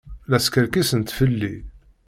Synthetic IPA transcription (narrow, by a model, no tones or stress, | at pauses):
læskəɾkisənt̪fəlːi